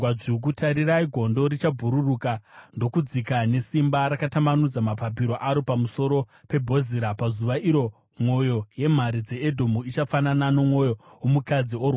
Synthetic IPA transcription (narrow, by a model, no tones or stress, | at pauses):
waʐik̬utʰaɾiraiɡʱo̞ndo̞ɾit͡ʃabʱuɾurukando̞kud͡zikane̞simbaɾakatamanud͡zamapapiɾo̞ʔaɾopamuso̞ɾo̞pe̞bʱo̞ziɾapazuʋaʔiɾo̞ | mo̞jo̞je̞m̤aɾid͡ze̞edʱo̞muit͡ʃafananano̞mwo̞jowomukad͡ziorwa